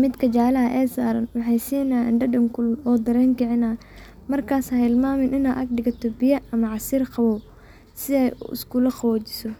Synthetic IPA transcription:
mɪd̪kʰɐt͡ʃaʕlɐɦɐʔɛːsaːɾɐnwɑħɑjsiːnaːɛ̰nɖɐɖɐŋkʰʊlɔːd̪ɐɾɛːŋkʰɐʕɪnaː | mɐrkʰaːsɐhɪlmaːmɪnʔɪnaːʔ̪ɐɡɖɪɡɐt̪ʰɔbɪjɐɐmɐʕɑsiːrqɑβɔw | sɪɛjɪ̰skulɐqɑwɔːt͡ʃɪ̥sɔ

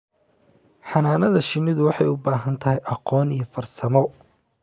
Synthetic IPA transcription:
ħɑnaːnɐðɐʃɪnɪðʊwɑħɑjʊbaːɦɐnt̪ʰɐɦɛjʔɑqɔːnijɔfɐrsɐmɔ

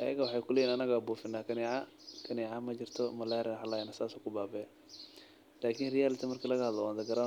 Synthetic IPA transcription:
ʔɐjɐ̰ɣɐwɑħɑːjkʰʊlɛjiːnɐnɐɣabuːfɪnːaːkʰɐniʕa | kʰɐniːʕamɐd͡ʒɪrt̪ʰɔmɐlɛːɾɛnħalajnɐsaːsɔkʰʊbaːbɛ | laːkʰiːnrɪjaːlɪt̪ʰɐmɐrkʰiːlɐɣɐhɐd̪lɐwaːnd̪ɐɡɐɾa

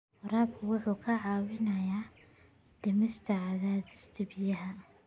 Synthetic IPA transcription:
raːb̚kʰʊwʊħuːkʰɐʕɑːwɪnɐjaː | d̪̥ɪmɪst̪ʰɐʕaðaːðɪst̪ʰɪbɪjɐɦɐ

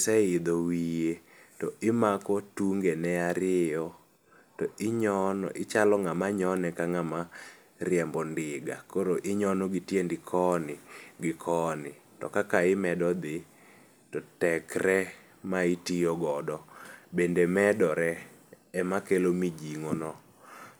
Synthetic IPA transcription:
sɛɪd̪owije | tɔɪmakɔtuŋɡenɛaɾɪɔ | tɔɪɲɔn̰ʔɪt͡ʃalɔŋamaɲɔnɛkaŋama | ɾɪɛmbɔndɪɡa̰koɾoʔɪɲɔnɔɡɪtjendɪkʰɔnɪɡɪkʰɔnɪ | tɔ̰kakaɪmɛdɔd̪ɪ | tɔtɛkɾɛ | maitijoɡɔdɔbendemɛdɔɾɛ | ɛmakelomid͡ʒiŋonɔ

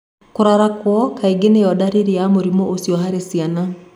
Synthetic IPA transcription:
koɾaɾakwɔkʰaiɡenejɔdaɾeɾeamoɾimɔʔosiɔɦaɾesiana

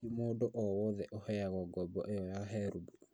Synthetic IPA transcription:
imoːdoʔɔwɔðɛʔohɛjaɣɔɡɔbɔ̰ʔejɔjaɦɛɾubu

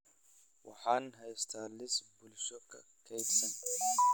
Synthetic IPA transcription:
wɑ̰ħaːnɦɐjst̪ʰaːlɪsbʊlʃɔkʰɐ̰kʰɛjbsɐn

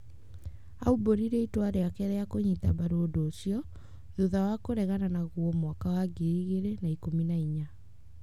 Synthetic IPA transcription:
auboɾiɾeitoaɾeakɛɾɛakoɲitaβaɾoːdoːsiɔ | ðuðawakoɾɛɣananaɣwɔmwakawaɡiɾiɣeɾenaikominaiɲa

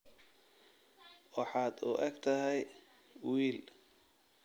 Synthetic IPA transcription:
wɑħɑːd̪ṵːʔɐɡt̪ʰɐɦɛj | wiːl

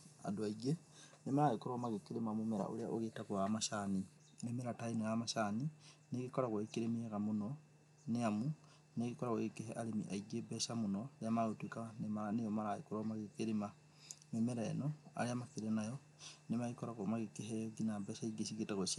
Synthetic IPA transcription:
a̰doaiɡe | nemaɾaekoɾomaɣekeɾemamomɛɾa̰ʔo̰ɾea̰ʔoɣetakoamaʃani | nemeɾatainejamaʃanineɣekɔɾaɣwaekeɾemeɛɣamonɔ | neamu | neɣikɔɾaɣoɣekeɦɛʔalemḭʔaiɡebɛsamonɔeamaɣotwekanemaɾanejɔmaɾaḛkoɾɔmaɣekeɾema | memeɾa̰nɔa̰ɾeamakiɾenajɔ | nemaɣikɔɾaɣomaɣekeɦɛjɔɡinabɛsaiɡesiɡetaɣosi

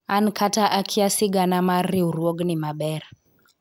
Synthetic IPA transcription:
ankʰataʔakʰiasiɡanamaɾiuɾwɔɡnimaɓɛɾ

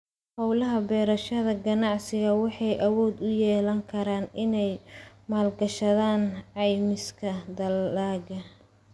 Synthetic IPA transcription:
hɔwlɐɦɐbɛːɾɐʃɐðɐɡɐnɑʕsɪɣɐwɑħɑjʔɐwɔːd̪ʊjɛːlɐŋkʰɐɾaːnɪnɛj | maːlɡɐʃɐðaːnʕɑjmɪskʰɐd̪ɐlaːɣɐ

